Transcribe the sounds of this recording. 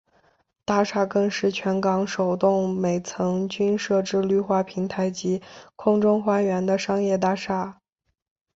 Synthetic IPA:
t̪a˥˧ʂa˥˧kɤ˥˧ŋʂɻ̩˥˩t͡ɕʰɥɛ˧˥nkɑ˧˥ŋʂo˨˩ʊt̪ʊ˥˩ŋme˨˩ɪt͡sʰɤ˧˥ŋt͡ɕy˥nʂɤ˥˧ʈ͡ʂɻ̩˥˧ly˥˧xwa˥˩pʰi˧˥ŋt̪ʰa˧˥ɪt͡ɕi˧˥kʰʊ˥ŋʈ͡ʂʊ˥ŋxwa˥ɥɛ˧˥nd̪ə˧ʂɑ˥ŋjɛ˥˧t̪̬a˥˧ʂa˥˩

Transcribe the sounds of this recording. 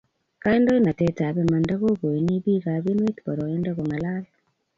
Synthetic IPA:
ka˦e˦ndɔ˦i˦na˨tɛ˦ta˨βɛ˨ma˨nda˦ɣo˦ɡo˨i˨ni˦bi˦ɣa˨βi˦nwe˦t̪bɔ˨ɾɔ˨e˦nda˦ɣo˨ŋa˨la˦lɔ

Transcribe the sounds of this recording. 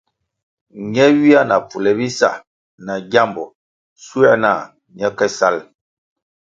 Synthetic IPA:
ɲɛ˦wi˦a˦na˨p͡fu˨lɛ˨bi˦sa̰˦˨ | na˨ɡja˦mbɔ˨ | su˦ɛ˦na˦˨ | ɲɛ˦kɛ˦sa˦l

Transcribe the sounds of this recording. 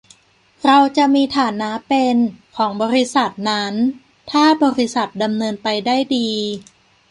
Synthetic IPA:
ɾa˧wt͡ɕa˨˩ʔmiː˧t̪ʰaː˨˩˦nːa˦˥pe˧nkʰɔː˩˦ŋbɔː˧ɾi˦˥sa˨˩t̪̚na˦˥n | t̪ʰaː˥˩bɔː˧ɾi˦˥sa˨˩t̪̚da˧mnɤː˧npa˧jdaː˥˩jdiː˧

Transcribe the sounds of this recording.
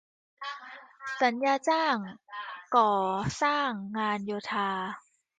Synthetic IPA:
sa˩˦njaː˧t͡ɕaː˥˩ŋkɔː˨˩saː˥˩ŋːaː˧njoː˧t̪ʰaː˧

